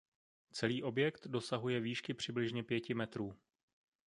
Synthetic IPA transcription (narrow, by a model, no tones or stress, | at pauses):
t͡sɛliːʔo̞bjɛkt̪do̞saɦujɛviːʃkɪpr̝̥ɪblɪʒɲɛpjɛcɪmɛt̪ɾuː